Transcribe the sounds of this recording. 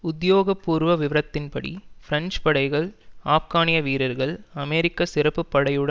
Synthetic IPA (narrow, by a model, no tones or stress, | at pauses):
ʊd̪joːɣɐpːuːɾʋɐʋɪʋɐɾɐt̪ːɪnpɐɽḭfɪɾɐɲd͡ʒpɐɽɐɪɣɐɭaːfkaːnɪjɐʋiːɾɐɾɣɐɭɐmeːɾɪkːɐsɪɾɐpːɯpːɐɽɐjɯɽɐ